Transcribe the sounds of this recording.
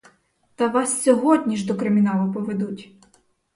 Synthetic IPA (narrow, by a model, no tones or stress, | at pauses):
t̪ɐʋɑssʲɔɦɔdʲnʲiʒd̪ɔkɾɪmʲinɑlˠʊpɔʋed̪utʲ